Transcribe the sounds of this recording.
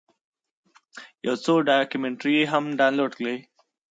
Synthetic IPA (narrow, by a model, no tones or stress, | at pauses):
jawsoɖakjumẽɳʈɾiɦamɖaːnloːɖkle